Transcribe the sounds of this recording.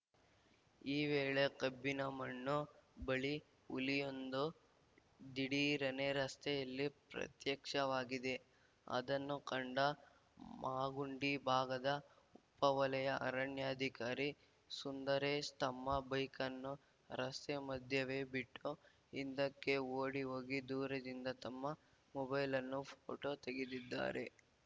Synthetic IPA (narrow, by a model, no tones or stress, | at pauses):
iːʋeːɭekɐbːinɐmɐɳːubɐɭi | ulijo̞nd̪u | d̪iɽiɾɐneɾɐst̪ɛjɐlːipɾɐ̰t̪jɐkʂɐʋaːɡid̪e̞ | ɐ̰d̪ɐnːukɐɳɖɐ | maːɡuɳɖibʱaːɡɐd̪ɐ | upːɐʋɐlɐjɐʔɐ̰ɾɐɳjaːd̪ʱikaːɾi | sund̪ɐɾest̪ɐmːɐbɐjkɐnːu | ɾɐst̪emɐd̪ʱjɐʋe̞ːbiʈːu | ind̪ɐkːe̞oːɽiɦoːɡid̪uːɾɐd̪ind̪ɐt̪ɐmːɐ | mɔbɐjlɐnːupʰo̰ːʈoːt̪eɡed̪id̪ːa̰ːɾe̞̰